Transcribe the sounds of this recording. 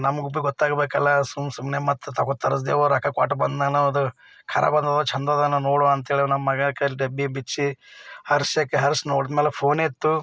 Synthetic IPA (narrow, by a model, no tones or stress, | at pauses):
nɐmɐɡubiɡɔt̪ːaːɡbeːkɐlːɐsumsumnemɐt̪ːt̪ɐkot̪ːɐɾɐs̬d̪eːʋoɾɐkɐkwa̰ːʈɐbɐnd̪nɐnaɐd̪u | kʰɐɾɐ̰bɐnd̪ɐd̪ot͡ʃʰɐnd̪ɐd̪ɐnɐnoːɽoɐnt̪ɐɦeːɭinɐmːɐɡɐkːɐlɖebibit͡ʃːihɐɾsjakːeɦɐɾsnoːɽid̪meːlepʰoːneːt̪ːu